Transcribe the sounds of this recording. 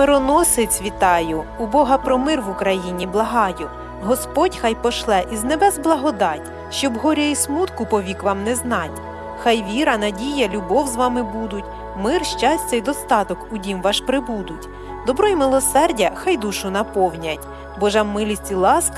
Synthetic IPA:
mɪɾɔnɔsɪt͡sʲʋʲit̪ɑjʊʊbɔɦɐpɾɔmɪrʋʊkɾɐjinʲiblˠɐɦɑjʊ | ɦɔspɔtʲxɑjpɔʃlˠɛʔiznɛbɛzblˠɐɦɔd̪ɑtʲ | ʃt͡ʃɔbɦɔɾʲɐismut̪kʊpɔʋʲikʋɑmnɛznɑtʲ | xɑjʋʲiɾɐnɐdʲijɐlʲʊbɔwzʋɑmɪbud̪ʊtʲ | mɪrʃt͡ʃɑsʲt͡sʲɐid̪ɔst̪ɑt̪ɔkʊdʲimʋɑʃpɾɪbud̪ʊtʲ | d̪ɔbɾɔimɪlˠɔsɛrdʲɐxɑjd̪uʃʊnɐpɔwnʲɐtʲ | bɔʒamːɪlʲisʲt͡sʲilˠɑsk

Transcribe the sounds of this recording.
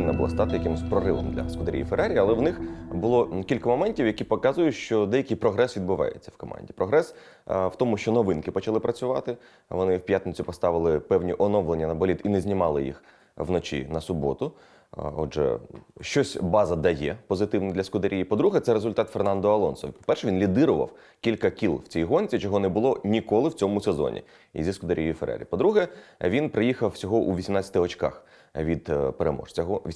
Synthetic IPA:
ɪnːɐbʊlˠa̰st̪ɑt̪ɪjɐkɪmɪsʲpɾɔɾɪʋɔ̰md̪lʲɐ̰skʊd̪ɐɾʲḭjifeɾaɾʲijɐlˠɛʋnɪxbʊlˠɔkʲilʲkɐmɔmɛnʲtʲiwjɐkʲipɔkɑzʊjʊʃt͡ʃɔd̪ɛjɐkɪjpɾɔɦɾɛsʋʲid̪bʊʋɑ̰jḛt͡sʲːɐwkɔmɑ̰nʲdʲipɾɔɦɾɛs | wt̪ɔmʊʃt͡ʃɔnɔʋɪnkɪpɔt͡ʃɐlˠɪpɾɐt͡sʲʊʋɑ̰t̪ɪ | ʋɔnɪwpʲjat̪net͡sʲʊpɔst̪ɑʋɪlˠɪpɛwnʲiʔɔnɔʋlˠenʲːɐnɐbɔlʲit̪inɛzʲnʲimɑlˠɪjḭx | ʋnɔt͡ʃʲḭnɐsʊbɔt̪ʊ | ɔdʒɛ̰ʃt͡ʃɔsʲbɑzɐd̪ɐjɛpɔzɪt̪ɪwnɛd̪lʲɐskʊd̪eɾʲijipɔd̪ɾuɦɛt̪sɛɾezʊlʲt̪ɑt̪fernɑnd̪ɔɐlˠɔnsɔʋʲipɔ̥pɛrʃɛʋʲinlʲid̪ɪɾʊʋɐ̰w | kʲilʲkɐkʲilˠwt͡sʲijɦɔnʲt͡sʲit͡ʃɔɦɔnɛbʊlˠɔnʲikɔlˠɪwt͡sʲɔmʊsezɔ̰nʲḭ | ḭzʲiskʊd̪eɾʲijifeɾɛ̰ɾʲḭpɔd̪ɾuɦɛʋʲinpɾɪjixɐwsʲɔɦɔʔuʋʲisʲimnat͡sʲːɐt̪ɪɔt͡ʃkɑ̰x | ʋʲid̪̥peɾemɔ̰ʃt͡sʲɐɦɔʋʲ

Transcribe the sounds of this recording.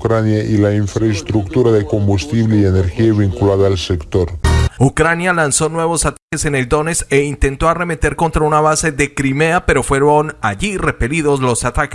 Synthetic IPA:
kɾanjaʔilaiɱfɾaest̪ɾukt̪uɾaðeko̞mbust̪iβleieneɾxiaβiŋkulaðaːlsekt̪oɾukɾanjalanso̞nwe̞βo̞sat̪ake̞se̞ne̞ld̪o̞ne̞seint̪e̞nt̪o̞are̞me̞t̪e̞ɾko̞nt̪ɾaunaβase̞ðe̞kɾime̞ape̞ɾo̞fwe̞ɾonaʝire̞pe̞liðo̞zlo̞sat̪ak

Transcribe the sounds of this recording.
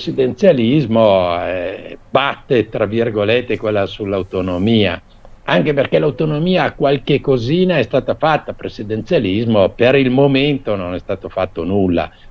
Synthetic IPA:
sid̪ent̪sjalizmoɛbat̪ːet̪ɾavːirɡolet̪ːekwelːasulːawt̪onomiːa̰ | aŋk̟eperkɛlawt̪onomiːaːkwalkekːoziːnaɛst̪aːt̪afat̪ːapɾesid̪ent̪sjalizmopeɾilmoment̪ononɛst̪aːt̪ofat̪ːonulːa̰

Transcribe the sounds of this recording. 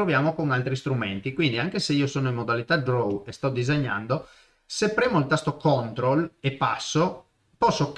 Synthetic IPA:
ɾovjaːmokoŋalt̪ɾist̪ɾument̪ikwind̪iaŋkeseiːosoːnoimːod̪alit̪ad̪ɾowest̪ɔd̪izeɲːa̰nd̪o | sepːɾeːmoilt̪ast̪okont̪ɾolepːa̰sːo | pɔsːok

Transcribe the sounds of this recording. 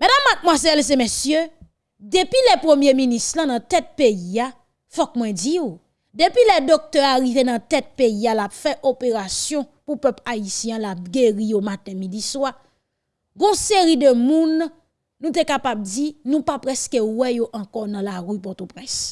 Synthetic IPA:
mɛdamːat̪̚mwazɛls̬emesjø | depilɛpʁəmjeminĩstlãnɐ̃t̪ɛt̪̚peia | fɔk̚mwɛ̃d͡zio | d̪epilɛd̪ok̚t̪œaʁivenɐ̃t̪ɛt̪̚peialapfɛʔopeʁasjɔ̃ | pupœplaisjɛ̃ãlap̚ɡeʁijomat̪ɛ̃midiswa | ɡɔ̃seʁidəmũnː | ũt̪ekapab̚d͡zinũpapʁɛskewɛjoʔɐ̃kɔnɐ̃laʁypɔt̪opʁɛ̃s

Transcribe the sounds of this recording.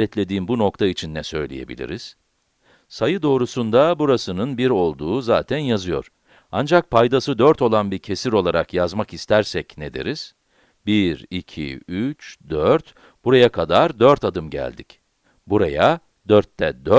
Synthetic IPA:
ɛt̪lʲe̞d̪iːmbuno̞kt̪ʰait͡ʃʰinːɛsø̞jlʲije̞̰bḭlʲḭɾiz̥ | sajɯd̪o̞ːɾusund̪abuɾasɯnɯnbiɾo̞lˠd̪uːzaːt̪ʰænjazɯjo̞̰ɾ̥ | and͡ʒak̚pʰajd̪asɯd̪øɾt̪o̞lˠanbiɾcʰe̞siɾo̞lˠaɾakjazmakist̪ʰæɾsɛcned̪ḛɾiz̥ | biɾicʰḭyt͡ʃd̪øɾt̪ | b̥uɾajakʰad̪aɾd̪øɾt̪ad̪ɯmɟæ̰lʲd̪ic | buɾaja | d̪øɾt̪ːɛd̪ø

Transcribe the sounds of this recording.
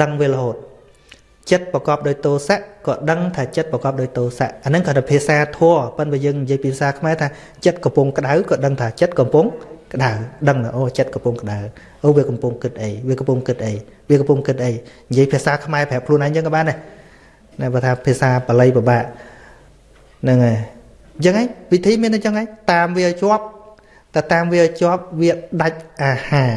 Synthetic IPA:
ɗəŋʋeːləɦoːt̪̚ | t͡ɕət̪̚prəkɑːp̚ɗaːc̚t̪oːsaʔkɑːɗəŋt̪ʰaːt͡ɕət̪̚prɑkɑːp̚ɗaɔːc̚t̪oːsaʔʔanɨŋkʰɑːt̪apʰiəsaːt̪ʰɔəpɨnɓaːjəːŋnijiəjpiːpʰiəsaːkʰmaɛt̪ʰaː | t͡ɕət̪̚kɑmpʊŋkə̆ɗawkɑːɗəŋt̪ʰaːt͡ɕət̪̚kɑmpʊŋkəɗawɗəŋnɨʔoːt͡ɕət̪̚kɑmpʊŋkəɗaw | ʔoːʋiəkɑmpʊŋkɨt̪̚ʔəjʋiəkɑmpʊŋkɨt̪̚ʔəjʋiəkɑmpʊŋkɨt̪̚ʔəjnjiəjpʰiəʔsaːkʰmaɛpʰɛ̆əp̚kʰluənʔaːjɲt͡ɕəŋkɑɓaːna | naɓaːt̪ʰaːpʰiəsaːpəlɨjpəɓaːʔ | nɨŋaj | t͡ɕəŋʔaːjʋit̪ʰiːmiənɨt͡ɕəŋaːjt̪aːmʋiəʔat͡ɕŏəp̚ | t̪at̪aːmʋiəʔat͡ɕŏəp̚ʋiəɗac̚ʔaːhaː

